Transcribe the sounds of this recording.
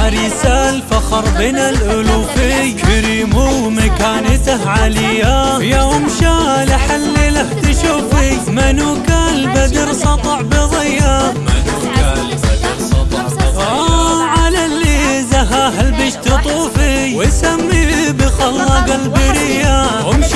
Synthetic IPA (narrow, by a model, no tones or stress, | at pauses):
aɾisalfɑxɑɾˤbɪnalʔʊlufijkɪɾimumakaːnat̪ahʕalɪjajawʊmʃalaħalːilaht̪ɪʃuːfimanukalbad̪ɪɾsˤɑt̪ˤɑʕbɪðˤɪjːamanukalbad̪ɾsˤɑt̪ˤʕaʕalalːizaɦaɦalbɪʃt̪ɨt̪ˤuːfijwɪsamːibɪxɑlːɑɡalbɪɾɪjːa | ʊmʃ